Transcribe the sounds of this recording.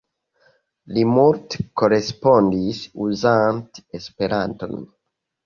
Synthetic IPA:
limuɾt̪koɾespondisuzãnt̪espeɾant̪o̰n

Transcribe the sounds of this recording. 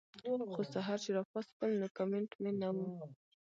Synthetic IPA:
xosaɦɑɾt͡ʃeɾɑxwɑstkəlnokameɳʈmenawu

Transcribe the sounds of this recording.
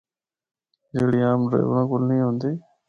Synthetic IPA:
d͡ʒeːɽiːaːmɾḛːʋɾãːkʊlnĩːɦõːnd̪iː

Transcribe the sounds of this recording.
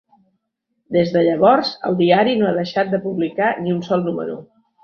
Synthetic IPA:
d̪ezðəʎəβ̞ɔɾzə̰lˠd̪iaɾinoaðəʃat̪̚d̪əpuβlikaniunsɔlˠnumə̰ɾṵ

